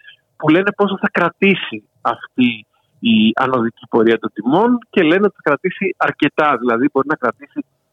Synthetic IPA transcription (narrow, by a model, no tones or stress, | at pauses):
pule̞ne̞po̞soθɐkɾɐt̪isi | ɐft̪iː | ɐ̰no̞ðicipo̞ɾiɐt̪o̞nd̪imo̞nce̞le̞neot̪i̥θɐkɾɐt̪isiɐɾce̞t̪ɐðilɐðibo̞ɾinɐkɾɐt̪isi